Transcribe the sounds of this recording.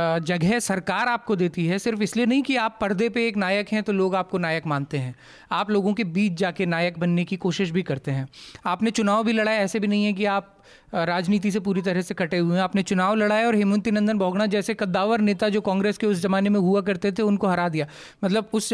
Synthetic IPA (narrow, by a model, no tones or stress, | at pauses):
d͡ʒɐɡɦɛsɐɾkaːɾaːp̚kod̪eːt̪iɦɛsɪɾfɪslienɐɦĩkiaːpːɐɾd̪epeeːknaːjəkɦɛ̃t̪oloːɡaːp̚konaːjəkmãːnt̪eɦɛ̃ː | aːploːɡõkebiːt͡ʃd͡ʒaːkenaːjək̚bɐnːekikoːʃɪʃ̬bʱikɐɾt̪eɦɛ̃ːaːpnet͡ʃʊnaːʋbʱilɐɽaːeɛːsebʱinɐɦĩɦɛ̃k̬iaːp̚ | ɾaːd͡ʒniːt̪̬is̬epuːɾit̪ɐɾɛɦsekɐʈeɦueɦɛ̃aːpnet͡ʃʊnaːʋlɐɽaːeɔːɾɦɪmʊ̃nt̪inə̃ɐ̃nd̪ənbʱɔːɡɽ̃ad͡ʒɛːsekɐd̪ːaːʋəɾneːt̪ad͡ʒoːkãːŋɡɾeːskeʊsd͡ʒɐmaːnemẽɦuak̬ɐɾt̪et̪ʰeʊnkoɦɐɾad̪ijaː | mɐt̪ləbʊs